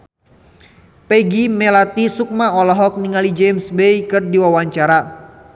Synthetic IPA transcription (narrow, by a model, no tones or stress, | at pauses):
peɡimelat̪isuk̚maɔlɔɦɔk̚niŋalid͡ʒemsbejkɨrdiwawaɲt͡ʃaɾa